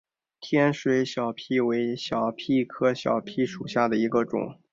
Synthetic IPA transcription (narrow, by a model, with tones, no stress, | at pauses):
t̪ʰjɛ˥nʂwe˧˥ɪɕjɑ˨˩ʊpʰi˥˩we˧˥ɪɕjɑ˨˩ʊpʰi˥˩kʰɤ˥ɕjɑ̰˨˩ʊpʰi˥ʂu˨˩ɕja˥˩d̪ə˩i˧˥ɡə˧ʈ͡ʂʊ̰˨˩˦ŋ